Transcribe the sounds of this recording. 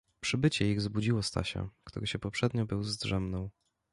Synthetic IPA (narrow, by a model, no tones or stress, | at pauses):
pʂɘbɘt͡ɕɛiɣzbud͡ʑiwɔst̪a̰ɕɛ̰kt̪ṵɾɘɕɛpɔpʂɛd̪ɲɔbɘwzd̪ʐɛmnɔ̃w̃